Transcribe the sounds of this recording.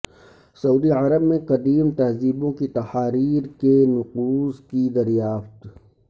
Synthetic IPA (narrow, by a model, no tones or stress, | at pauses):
sɐuːd̪iʕɐɾəbmẽqɐd̪iːmt̪ɐɦziːbõkit̪ɐhaːɾiːɾkenʊquːzkid̪ɐɾijaːft̪